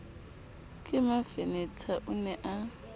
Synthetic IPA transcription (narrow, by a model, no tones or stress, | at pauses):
kʼɪmafenɛtʰaʔʊnɛʔa